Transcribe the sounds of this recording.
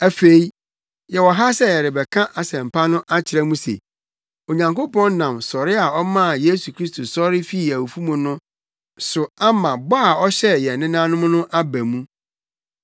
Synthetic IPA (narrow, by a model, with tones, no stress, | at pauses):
æ˨fe˨i˦ | jɛ˨wɔ˨ɦa˦sɛ˦jɛ˨ɾɪ˨bɛ˨kʰã˦ʔa˨sɛ̃˨m̩˨pʰa˦nʊ̃˦ʔa˦t͡ɕʰɪ˨ɾɛ˦mũ˦sḛ˨ | o˨ɲã˨ŋko˦pɔ̃˦n˦nã˨msɔ˨ɾɪ˦a˨ɔ˦mã˦˨je˦su˨kʰɾi˦st̪ʰo˨sɔ˦ɾɪ˦fi˦i˨æ˨wu˨fu˦mũ˨nʊ̃˦ | sʊ˨a˦mã˨ba˦a˨ɔ˦ɕɛ˦jɛ˨nɪ̃˦nã˦nʊ̃˦m̃˦nʊ̃˦ʔa˦bæ̃˨mũ˦